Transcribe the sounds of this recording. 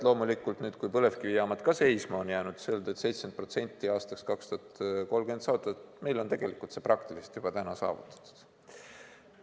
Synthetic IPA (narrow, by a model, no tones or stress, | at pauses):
lo̞ːmulikːˑult̪nyːd̪̥kujpɤle̞fkivijɑmɑt̪kɑse̞jsmɑonjæːnud̪̥seld̪et̪se̞jt̪sent̪̚pro̞t̪se̞nʲt̪ːˑiɑːst̪ɑkskɑkst̪uɑt̪ko̞lɡ̥e̞nd̪sɑːt̪ːˑɑt̪me̞jlo̞nt̪e̞ɡ̥e̞likˑult̪seːprɑkt̪ilise̥t̪jub̥ɑt̪ænɑsɑ̰ːvṵt̪ˑːɑ̥t̪ːˑu̥d̪̥